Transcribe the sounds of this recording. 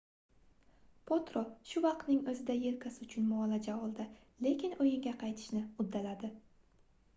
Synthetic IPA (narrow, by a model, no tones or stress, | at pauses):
pʰot̪ɾoʃʊvɑq̚t̪nɪŋɵzɪd̪aje̞lkʲʰasɪʊt͡ʃʰʊnmɒːlad͡ʒaɒlˠd̪ɪ | le̞kʲɪnojɪŋɡʲaqʰɑjt̪ʰɪ̥ʃnɪʊd̪ːalad̪ɪ